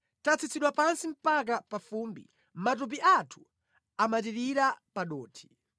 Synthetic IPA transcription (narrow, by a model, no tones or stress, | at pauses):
tat͡sʰit͡sʰiɗwapansim̩pak̬apafuːmbḭ | mat̬up̬iʔatʰu̥ | amatiɾiɾapaɗɔːtʰi̥